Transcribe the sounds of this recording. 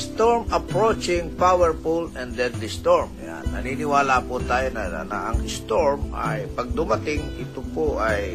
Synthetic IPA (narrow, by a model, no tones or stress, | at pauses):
st̪oɹmɐpɹot͡ʃɪŋpawɛɹpulɛ̃nd̪ɛnd̪ɪst̪oɹmja̰nːɐ̰niːnɪwaːlaːpʊt̪aːjonɐ̰nɐ̰ʔɐŋɪst̪oɹmʔɐ̰jpɐɡ̚d̪ʊmɐt̪ɪŋʔɪt̪opoʔɐj